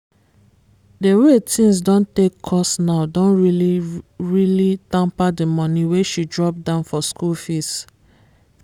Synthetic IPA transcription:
dewetĩns̬dɔ̃ntekʰːɔsnaʊdɔ̃nɹiliɹilitãmpademɔ̃nĩweʃidɹɔp̚dãʊ̃nfɔskulfis

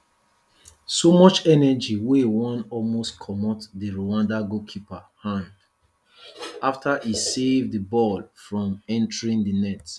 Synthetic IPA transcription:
somɔt͡ʃɛnɛd͡ʒiwewɔ̃nɔlmostkʰɔmɔtdiɹowãndaɡokʰipahãnd | aftʰaʔisevdəbɔlfɹɔ̃mɛ̃ntəɹĩŋdənɛt

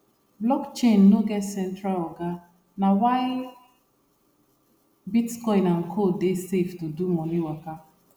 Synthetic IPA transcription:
blɔkt͡ʃẽnːoɡɛtsɛ̃ntɾalɔɡa | nawaj | bitkɔɪnaŋ̩kʰodeseftudumɔnĩwaka

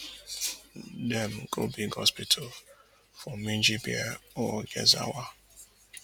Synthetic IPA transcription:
dɛm̩kobiɡhɔ̰spitʰal | fɔmind͡ʒibiɛɔɡɛza̰wa

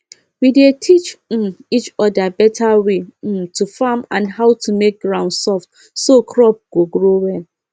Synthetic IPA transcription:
widetʰit͡ʃm̩it͡ʃɔdabɛtʰawetʰufamã̰nɦaʊtʰumek̚ɡɹãʊ̃ndsɔft | sokʰɾɔp̚ɡ̥oɡɾowɛl

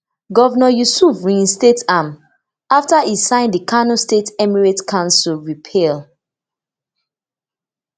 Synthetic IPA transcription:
ɡɔvnɔjusuvɹĩnstetam | aftaisãɪ̃ndikʰanõstetɛmiɹetkʰãnsulɹipʰɛl

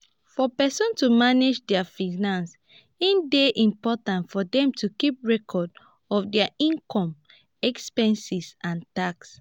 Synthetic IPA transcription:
fɔpɛsɔ̃ntumaned͡ʒdɛafinãns | ĩndeʔĩmpɔtãntfɔdɛ̃mtukip̚ɹɛkʰɔd | ɔfdɛaĩnkʰɔ̃m | ɛkspɛ̃nsisãntaks

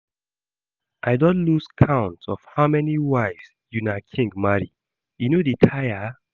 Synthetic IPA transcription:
ʔaɪdɔ̃nluskʰãʊ̃ntsɔfhaʊmɛniwaɪfs | junakʰĩŋɡmaɹi | junoditʰaja

